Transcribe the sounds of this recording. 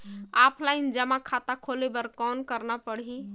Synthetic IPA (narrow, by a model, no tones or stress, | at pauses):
apʰlaɪnd͡ʒəmakʰat̪akʰolebəɾkɔnkəɾnapəɽɦi